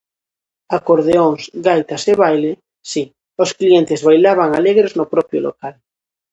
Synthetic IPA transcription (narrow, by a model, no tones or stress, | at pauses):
akoɾðeoŋsɡajt̪aseβajle | si | oskliẽnt̪ezβajlaβ̞aŋaleɣɾeznopɾɔpjolo̰kal